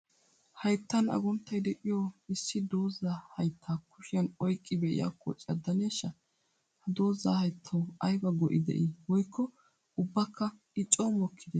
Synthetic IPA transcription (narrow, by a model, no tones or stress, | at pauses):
hɐjt̪ːɐnɐ̰ɡɔnt̪ːɐjd̪ɛkʼɪjɔːɪsːɪd̪o̞ːzaːhɐjt̪ʰːaːkʊʃɪjɐnɔjkʼːɪbɛʔɪ̰ja̰kʰːɔ̰t͡ʃʼɐd̪ːɐneːʃːɐ | hɐd̪o̞ːzːaːhɐjt̪ʰːɐwɐjbɐɡɔʔɪ̰d̪ɛ̰ʔɪwɔjkːɔ | ʊbːɐkʰːɐ | ɪt͡ʃʼːoːmɔkʰːɪd̪ɛ